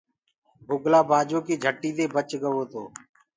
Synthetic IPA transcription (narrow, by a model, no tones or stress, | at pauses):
bʱʊɡlaːbaːd͡ʒoːkiːd͡ʒʱəʈːiːd̪eːbət͡ʃɡəʋoːt̪oː